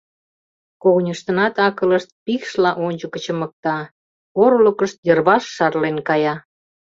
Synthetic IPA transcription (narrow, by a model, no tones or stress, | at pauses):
koɣnʲəʃt̪ənɑt̪ɑkələʃt̪̚pikʃlɑʔonʲt͡ɕəkə̆t͡ɕə̆mək̚t̪ɑ | oɾləkəʃt̪̚jərβɑʃːɑrlenkɑjɑ